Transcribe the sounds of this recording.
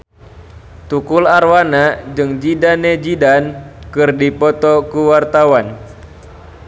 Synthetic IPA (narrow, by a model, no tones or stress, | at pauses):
t̪ukularwanad͡ʒɨŋd͡ʒidaned͡ʒidankɨrdipɔt̪ɔkuwart̪awan